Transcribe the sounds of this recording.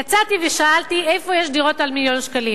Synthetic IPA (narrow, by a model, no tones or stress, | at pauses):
jat͡sat̪iveʃaalt̪iejfo̞jeʃdiʁo̞t̪almiljo̞nʃkalim